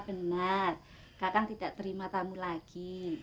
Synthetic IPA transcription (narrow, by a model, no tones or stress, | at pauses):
b̥ənər | kakaŋt̪idaʔt̪əɾimat̪amulaɡ̥i